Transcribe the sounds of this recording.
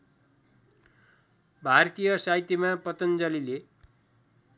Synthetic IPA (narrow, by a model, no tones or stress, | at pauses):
bʱart̪ijʌsajt̪imapʌt̪ʌnd͡zʌlile